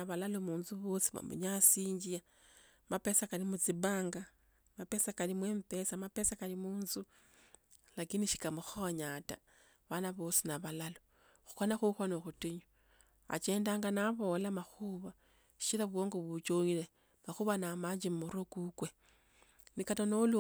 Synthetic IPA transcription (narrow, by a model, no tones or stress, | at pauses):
aβalalomuːnzuβosi̥βa̰mṵɲasiːɲd͡ʒia | mape̞sakalimut͡siβaːŋɡa | mapesakalimweːmpe̞samapesakalimuːnzu | lakiniʃi̥kamuxoɲata̰ | βanaβo̞ːsinaβalalo | xu̥xonaxuxonoxutiɲu | a̰t͡ʃe̞ːndaːŋɡanaβo̞lamaxuːβḁ | ʃilaβwoːŋɡoβut͡ʃoɲile | maxuβanamaɲd͡ʒimuɾokukwe | nikatanolu